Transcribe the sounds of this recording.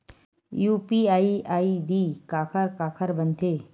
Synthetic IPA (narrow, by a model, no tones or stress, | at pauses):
juːpiaːiaːid̪ikaːkʰəɾkaːkʰəɾbənt̪ʰeː